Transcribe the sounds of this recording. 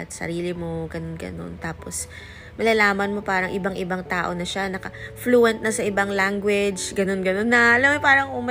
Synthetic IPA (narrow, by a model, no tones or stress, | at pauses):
t̪sɐ̰ɾiːlɪmo̞ɡɐnonɡɐ̰no̞̰nt̪aːpo̞s | mɐlɐlaːmɐnmo̞paːɾɐŋʔɪbaŋʔɪbaŋt̪aːʔo̞nɐʃanɐkɐfluːʔɛnt̪̚nɐsɐʔɪbaŋlaŋɡwɛd͡ʒɡɐno̞nɡɐno̞nːɐlɐmɐpaːɾɐŋʊmɐ